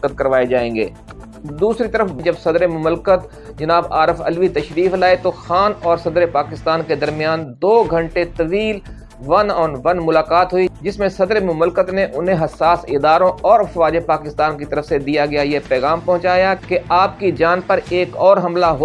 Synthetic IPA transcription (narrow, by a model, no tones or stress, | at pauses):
kət̪̚kɐɾʋaːed͡ʒaːẽːŋɡḛː | d̪uːsɾit̪ɐɾəfd͡ʒɐbsɐd̪ɾemʊmlkət̪ | d͡ʒɐnaːba̰ːɾɪfɐ̰lʋit̪ɐʃɾiːflaːet̪oxaːnɔːɾsɐd̪ɾepaːkɪst̪aːnked̪ɐɾmijaːnd̪oːɡʱɐ̃ɳʈet̪ɐʋiːl | ʋɐnɔːnʋɐnmʊlaːkaːt̪ɦʊid͡ʒɪsmẽsɐd̪ɾemʊmlkət̪neʔʊnɦẽɦɐsːaːsɪd̪aːɾõɔːɾɐfʋaːd͡ʒepaːkɪst̪aːnkit̪ɐɾəfsed̪ijaɡɐjajepɛːɣaːmpɐ̃ɦʊ̃t͡ʃaːjakeaːp̚kid͡ʒaːnpɐɾeːkɔːɾɦɐmlaɦo